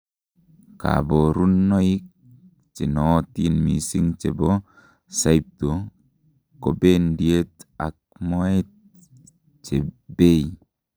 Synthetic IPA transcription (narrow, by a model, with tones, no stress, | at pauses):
ka̰˨bo˨ɾu˦nːɔ˦i˦k̚ | t͡ʃi˨nɔ˨˦ti˦nmi˨si˦ŋt͡ʃe˨bo˦ | sa˦jp̚to˨ | ko˨be˦ndje˦t̪a̰˨k̚mɔ˦e˦t̚ | t͡ʃe˨be˦˨